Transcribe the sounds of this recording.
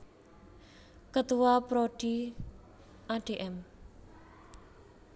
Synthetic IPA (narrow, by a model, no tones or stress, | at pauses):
kət̪uwapɾoɖ̥i | ʔaɖ̥eʔɛm